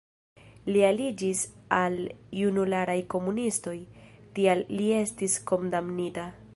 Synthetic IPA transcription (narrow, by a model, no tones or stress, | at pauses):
lialid͡ʒisaljunulaɾajko̞munisto̞jtialːie̞stisko̞ndamnita